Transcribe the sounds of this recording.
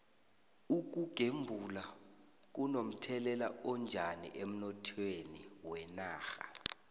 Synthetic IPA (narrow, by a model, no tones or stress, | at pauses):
uk̬uɡ̥ʱembʱula | k̬unom̩tʰɛlɛlaɔnd͡ʒʱanḭʔem̩nɔtʰweniwɛnaːxa̰